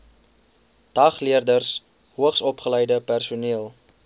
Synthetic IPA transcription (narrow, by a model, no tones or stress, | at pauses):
d̥ɐχliərdərs | ɦuəχsɔpχələjdəpærsuniəlˠ